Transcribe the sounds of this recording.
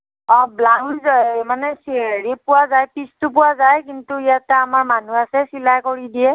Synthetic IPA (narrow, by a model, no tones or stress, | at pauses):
ɔ̃blawzmanɛsiɹipʊwazajpistup̬ʊwazajkintuijatɛamaɹmanuasɛsilajkoɹidiɛ